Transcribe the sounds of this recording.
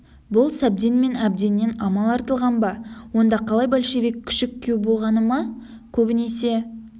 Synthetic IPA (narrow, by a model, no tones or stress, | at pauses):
bʊlˠsæb̚d̪e̞nme̞næb̚d̪e̞nːe̞nɑmɑlˠɑɾt̪əlˠʁɑnbɑwo̞nd̪ɑqʰɑlˠɑjbɑlʃebekʲʰːʏ̥ʃɪkʲʰːewbo̞lˠʁɑnəmɑ | kʲʰɵbɪne̞se̞